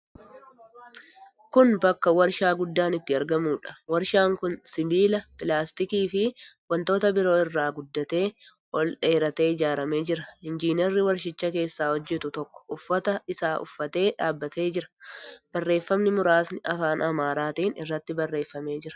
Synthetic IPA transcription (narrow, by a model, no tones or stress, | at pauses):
kʊnbɐkːɐwɐɾʃaːɡʊd̪ːaːnɪt̪ːɪɐɾɡɐmuːᶑɐ̥wɐɾʃaːŋkʊnsɪbiːlɐpɪlaːst̪ɪkiːfɪwɐnt̪o̞ːt̪ɐbɪɾo̞ːɪrːaːɡʊd̪ːɐt̪e̞ː | ɔlᶑe̞ːɾɐt̪e̞ːɪd͡ʒaːɾɐme̞ːd͡ʒɪɾɐhɪnd͡ʒiːnɛɾːɪwɐɾʃɪt͡ʃːɐke̞ːsːaːhɔd͡ʒːɛt̪ʊt̪ɔkːɔ̥ʊfːɐt̪ɐɪsaːʔʊfːɐt̪e̞ːᶑaːbːɐt̪e̞ːd͡ʒɪɾɐ̥b̥ɐrːe̞ːfːɐmnɪmʊɾaːsnɪʔɐfaːnʔɐmaːɾaːt̪iːnɪ̰rːɐt̪ːɪbɐrːe̞ːfːɐme̞ːd͡ʒɪɾɐ̥